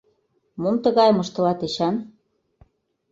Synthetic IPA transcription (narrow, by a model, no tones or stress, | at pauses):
momt̪ə̆ɣɑjmə̆ʃt̪ɤ̆lɑt̪eɕɑn